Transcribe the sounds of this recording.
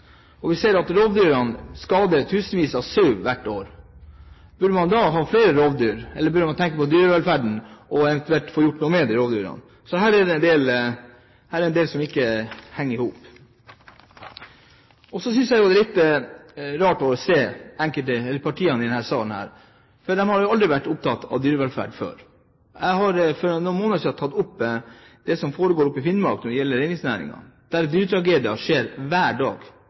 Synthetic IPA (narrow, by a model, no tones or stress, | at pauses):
ɔʋɪseːɾɑt̪ɾoːʋd̪yːɾɑnskɑːd̪ət̪ʰʉːsənʋiːsɑʋsyːʋʋæʈːoːɾ | b̥ʉɖəmɑnd̪ɑɦɑːfleːɾəɾoːʋd̪yːɾɛləbʉɖmɑnt̪ʰɛŋkəpɔd̪yːɾɛlfæɖɳ̩ʔɔɛʋɛnt̪ʉɛlt̪foːɾjʊʈːnuːmeːd̪ɪɾoːʋd̪y̰ːɾɑ̰n | sɔɦæːɾɛd̪ɛɛnd̪eːl | hæːɾɛɾɛnd̪eːlsɔmɪkːəhɛŋːəɪhuːp | ɔsɔs̬ʏnsjæɪjʊɛd̪ɛlɪt̪ː | ɾɑːʈɔseːæŋkəlt̪əɛlːəɾpʰɑʈʰiːɑnɪd̪ɛnhæːɾsɑːln̩hæ̰ːɾ | fɔd̪ɛmhɑɾjʊɑld̪ɾɪʋæʈːʊp̚t̪ʰɑt̪ːɑ̰ʋd̪yːɾəʋɛlfæ̰ːɖfø̰ːɾ | jæɪhɑɾfɔɾʊnmoːnəʂiːɑt̪ʰɑt̪ːʊpː | d̪̥ɛsɔmfoːɾəɡoːɾʊpːɪfɪnmɑ̰ɾknɔɖɪjɛlːəɾeɪnɪŋsnæːɾɪ̰ŋɑ̰d̪̥æɾd̪yːɾət̪ʰɾɑɡeːd̪ɪɑʂeːɾʋæːɖɑ̰ːɡ̥